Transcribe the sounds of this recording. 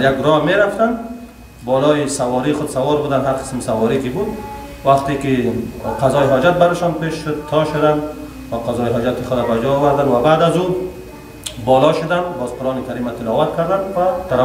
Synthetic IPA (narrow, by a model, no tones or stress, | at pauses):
jaɡɾɔmeɾaft̪an | bɔlɔjɪsawɔɾixʊd̪sawɔɾbud̪anɦaɾqɪ̥smsawɔɾikɪbud̪ | waqt̪ekɪqazɔjɦɔd͡ʒat̪̚baɾɪʃɔnpeʃʃʊd̪̚t̪ʰɔʃʊd̪and̪ | waqazɔjɪɦɔd͡ʒat̪ɪxʊd̪abad͡ʒɔːwaɾd̪anwabad̪azu | bɔlɔʃʊd̪anbɔzqʊɾɔnɪk̪aɾimat̪ɪlɔwat̪̚kaɾd̪anwat̪aɾa